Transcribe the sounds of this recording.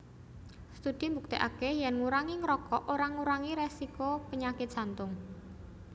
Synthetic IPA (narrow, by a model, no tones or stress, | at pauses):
st̪ud̪̥imbuk̚t̪iʔakɛhjɛnŋuɾaŋiŋɾɔkɔʔoɾaŋuɾaŋiɾesikopəɲakɪt̪̚ʒ̥a̤nt̪ʊŋ